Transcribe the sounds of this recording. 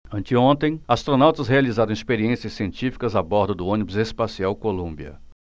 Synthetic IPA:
ɐ̃nt͡ʃɪõnt̪ẽj̃ast̪ɾonawt̪ɐsɦealizaɾɐ̃ispeɾiẽsiɐsːiẽnt͡ʃifi̥kɐzabɔɾd̪ʊd̪ʊõnibʊzespasiawkolũmbiɐ̰

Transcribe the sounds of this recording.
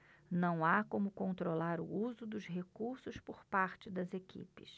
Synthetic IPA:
nɐ̃w̃akõmʊkõnt̪ɾolaɾʊ̰uzʊd̪ʊzɦekuɾsʊspʊɾpaɾt͡ʃɪd̪ɐzekḭpɪ̰s

